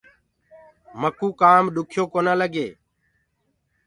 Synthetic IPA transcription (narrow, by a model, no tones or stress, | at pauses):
məkuːkaːmɗ̪ʊkʰjoːkoːnaːləɡeː